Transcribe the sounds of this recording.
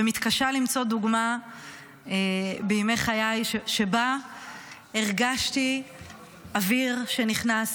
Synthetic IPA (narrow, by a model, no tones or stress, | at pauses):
emit̪kaʃalimt͡so̞duɡma | ebemejχajajʃeba | eʁɡaʃti | aviʁʃeniχnas